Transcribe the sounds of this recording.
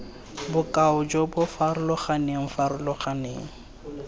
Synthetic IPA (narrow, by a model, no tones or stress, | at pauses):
bʊkʼaʊd͡ʒobʊfaɾʊlɔχaneŋ̩faɾʊlɔχanḛːŋ̩